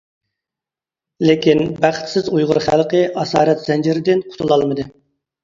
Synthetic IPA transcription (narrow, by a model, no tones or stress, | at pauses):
lɪkʲinbæχt̪sɪzujʁʊɾχælˠqəʔɑsɑ̰ːɾɛt̪z̥ɛnd͡ʒɪɾɪd̪ɪnqʰʊ̥t̪ʰulˠɑlˠmɨd̪ɨ